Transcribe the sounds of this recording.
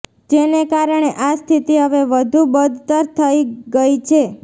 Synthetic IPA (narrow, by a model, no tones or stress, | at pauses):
d͡ʒenekaɾəɳ̃eʔast̪ʰit̪iɦəʋeʋəd̪ʱubəd̪ʱt̪əɾt̪ʰəiɡəit͡ʃʰe